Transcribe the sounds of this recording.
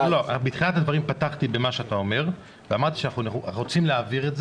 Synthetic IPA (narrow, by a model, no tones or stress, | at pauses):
lobit̪χilat̪ad̪vaʁimpataχt̪ibe̞maʃeat̪ao̞me̞ʁ | veamaʁt̪iʃanaχunχuʁo̞t͡simleaviʁetz